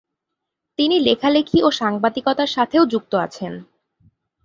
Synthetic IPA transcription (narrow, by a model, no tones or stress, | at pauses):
t̪inilekʰalekʰioʃaŋbad̪ikɔt̪aɾʃat̪ʰeod͡ʑuk̚t̪oa̰t͡ɕʰen